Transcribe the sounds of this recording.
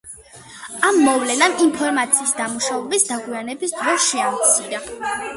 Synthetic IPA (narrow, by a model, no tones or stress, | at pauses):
amːɔvlɛnaminpʰɔɾmat̪sʰiːsd̪amuʃavɛbisd̪aɡwianɛbisd̪ɾɔʃɛamt̪sʰiɾa